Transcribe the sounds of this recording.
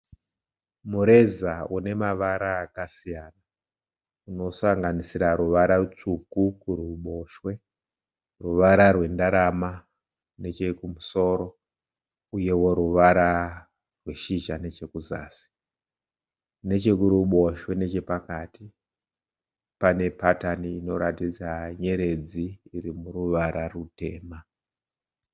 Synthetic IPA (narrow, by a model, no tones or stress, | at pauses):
muɾe̞zaune̞maʋaɾaːkasijaːna | uno̞saŋɡanisiɾaɾuʋaɾarut͡sukukuɾuɓo̞ʃwe̞ | ruʋaɾarwe̞ndaɾama | ne̞t͡ʃe̞kumuso̞ɾo̞ | uje̞wo̞ɾuʋaɾa | rwe̞ʃiʒane̞t͡ʃe̞kuza̰ːsi̥ | ne̞t͡ʃe̞kuɾuɓo̞ʃwe̞ne̞t͡ʃe̞pakati | pane̞pataniːno̞ɾatid͡zaɲe̞ɾe̞d͡ziːrimuruʋaɾarute̞̰ːma